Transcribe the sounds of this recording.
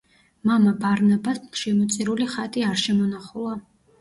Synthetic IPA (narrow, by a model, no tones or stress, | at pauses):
mamabaɾnabasʃɛmɔt̪sʼiɾuliχat̪ʼiaɾʃɛmɔnaχulˠa